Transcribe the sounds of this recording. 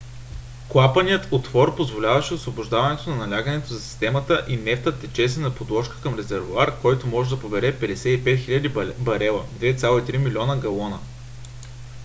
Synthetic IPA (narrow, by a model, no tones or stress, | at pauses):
klˠapənijət̪ot̪vɔɾpozvolʲavɐʃɛosvobʊʒd̪avɐnɛt̪onɐnɐlʲaɡənɛt̪ozɐsi̥st̪ɛmət̪əʔinɛft̪ət̪ːɛt͡ʃɛsɛnɐpod̪ˠɔʃkə̥kɐmɾɛzɛɾvʊaɾkɔjt̪omɔʒɛd̪ɐpobɛɾɛpɛd̪ɛsɛipɛt̪xilʲɐd̪ibɐɾɛlˠəd̪vɛt̪sʲalˠoit̪ɾimilʲiɔnəɡɐlˠɔnə